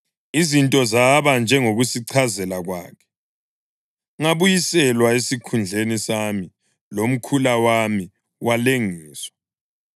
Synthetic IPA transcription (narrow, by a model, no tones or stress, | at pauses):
izintʼɔzaβand͡ʒʱɛŋoɣusiǀʰazɛlaɣwa̰ːkʰɛ̥ | ŋaβujisɛlwaesikʰund͡ɮʱenisami | lom̩kʰulawami | wʔaleŋiːswḁ